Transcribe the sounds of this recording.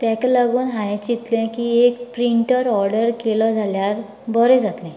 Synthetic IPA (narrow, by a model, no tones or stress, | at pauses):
t̪ɛ̃klaɡuːnɦajet͡ɕit̪lɛ̃kiːekpɾiɳʈəɾɔɾɖəɾkelɔd͡zʱaljaɾ | bəɾɛ̃d͡zat̪lɛ̃